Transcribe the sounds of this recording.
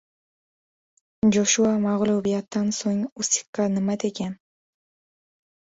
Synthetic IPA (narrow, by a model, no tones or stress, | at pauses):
d͡ʒoʃuamɑʁlˠubijat̪ːɑnsoŋusi̥kːɑnɨmat̪eken